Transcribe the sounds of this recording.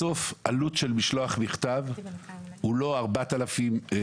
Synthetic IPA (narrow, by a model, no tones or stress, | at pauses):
o̞fʔalutʃelmiʃloaχmiχt̪av | ulo̞aʁbat̪alafim